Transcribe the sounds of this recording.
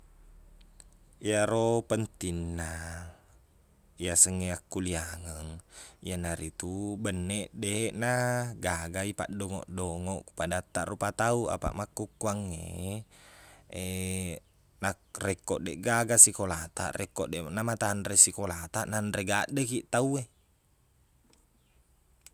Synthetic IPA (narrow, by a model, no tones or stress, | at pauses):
iaɾopənt̪inːa | ijasəŋːeakːuliaŋəŋijanaɾit̪ubənːɛʔdeɛʔnaɡaɡaipa̰ʔdɔŋɔ̰ʔdɔŋɔʔku̥padat̪ːaʔrupat̪aua̰pa̰ʔmakːukːuaŋːḛ | e | na | rɛkːɔʔdɛʔɡaɡasikolat̪a̰ʔrɛkːɔʔdɛnamat̪anɾesikolat̪aʔnandɾeɡaʔdekiʔt̪aue